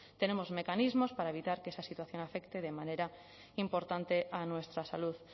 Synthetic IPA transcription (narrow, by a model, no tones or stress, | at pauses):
t̪enemozmekanizmospaɾaeβit̪aɾkeesasit̪waθjoŋafekt̪eð̞emaneɾa | impoɾt̪ant̪eʔanwest̪ɾasaluð